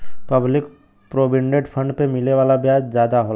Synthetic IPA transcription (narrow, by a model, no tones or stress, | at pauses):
pɐblɪk | pɾoːbɪ̃ɳɖeɖpʰə̃ɳɖpemɪleʋaːlabjaːd͡ʒzjaːd̪aɦoː